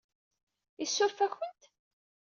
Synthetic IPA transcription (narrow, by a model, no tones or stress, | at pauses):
isːʊɾfæçənt̪